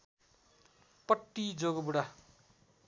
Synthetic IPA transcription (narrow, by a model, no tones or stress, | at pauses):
pʌʈːid͡zoɡʌbuɽa